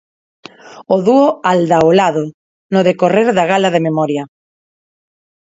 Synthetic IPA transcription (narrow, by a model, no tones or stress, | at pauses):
oðuoald̪aolaðo | noðekoreɾðaɣalaðememɔɾja